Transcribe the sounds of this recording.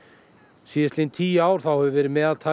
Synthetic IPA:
siɪst̪lejnt̪ʰiːaːwɾ̥θawhɛvʏvɛːɾɪmɛːðaðt̪ʰa

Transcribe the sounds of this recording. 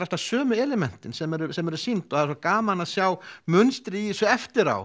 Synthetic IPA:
ɾɛst̪asœːmʏɛlɛmɛn̥t̪ɪnsɛmɛɾʏsɛmɛɾʏsint̪ɔhaðsakaːmanaðsjawmʏnst̪ɾijsʏɛft̪ɪɾa̰w

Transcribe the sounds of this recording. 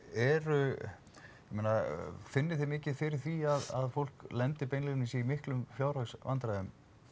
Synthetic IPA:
ɛɾʏ | jɛmejnafɪnːɪθɪmɪːcɪfɪɾɪɾ̥θiaða̰ðfowl̥klɛnt̪ɪpejnlɛɣnisɛimɪhklʏmfjaːwɾasvant̪ɾaðʏm

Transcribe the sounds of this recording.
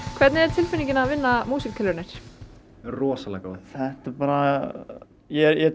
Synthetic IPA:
kʰvɛɾt̪nɪɛɾ̥t̪ʰɪlfɪniɲcɪnavɪnːamuːsikkʰːɛlːʏɾnɪɾ̥ | rɔːsalaka̰ːθɛht̪apaːɾa | jɛɾjɛ

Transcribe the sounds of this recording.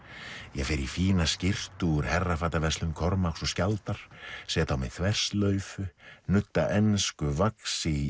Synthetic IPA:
jɛɣfɪɾifiːnascɪr̥t̪uʏɾ̥hɛrːafaːt̪avɛslʏmkʰɔɾmaksɔscalt̪aɾ̥sɛjat̪awmɛ̰ðθʰvɛr̥st̪lœɥfʏnʏt̪ːaʔɛnskʏvaksɪ

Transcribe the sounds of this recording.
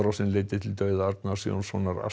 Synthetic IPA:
ɾɔsɪnlejt̪ɪt̪ʰɪlt̪œɥðaaɾt̪nasio̰nsonaɾa̰

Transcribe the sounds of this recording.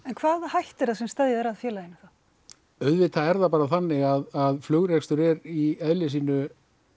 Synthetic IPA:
ɛnkʰvaːðhajht̪ɛɾasɛmst̪ɛðjaðɛɾaðfjɛːlajɪnɪθa | œɥðvɪt̪ʰaɛɾðapaːɾaθanːɪɣaðaðflœɣɾɛkst̪ʏɾɛɾiɛðlɪsiːnʏ

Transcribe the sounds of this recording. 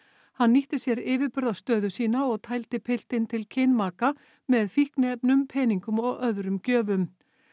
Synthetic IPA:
hanːiht̪ɪsjɛɾɪːvɪðpʏɾðast̪œːðʏsiːnaɔɣt̪ʰaːjlt̪ɪpʰɪl̥t̪ɪnt̪ʰɪlcʰɪnmaːka | mɛðfihknɪɛpnʏmpʰɛːniŋkʏmɔɣœðɾʏmcœːvʏm

